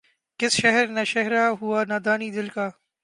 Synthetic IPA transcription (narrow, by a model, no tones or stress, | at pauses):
kɪsʃɛɦəɾnaʃɛɦɾaːɦʊaːnad̪aːniːd̪ɪlkaː